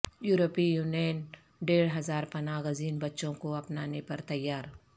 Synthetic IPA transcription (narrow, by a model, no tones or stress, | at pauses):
juːɾopijuːnən | ɖeːɽɦɐzaːɾpɐnaːɣəziːnbɐtːʃõkoɐpnaːnepɐɾt̪ɐjːaːɾ